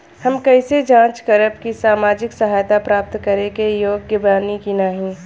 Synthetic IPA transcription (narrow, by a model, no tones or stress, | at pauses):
hɐmkɐɪsed͡ʒãːt͡ʃkəɾəpkisaːmaːd͡ʒɪksɐɦaːjt̪apɾaːp̚t̪kɐɾekejoːɡjəbaːnikinaːɦĩ